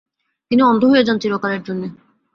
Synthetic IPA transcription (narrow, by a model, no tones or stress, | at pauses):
t̪iniɔnd̪ʱoɦojed͡ʑant͡ɕiɾokaɾeɾd͡ʑonːe